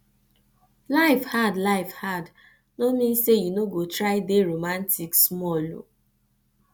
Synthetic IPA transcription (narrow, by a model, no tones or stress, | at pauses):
laɪfhadlaɪfhad | nomĩnsejunoɡotɾaɪdeɾomantiksmɔlo̰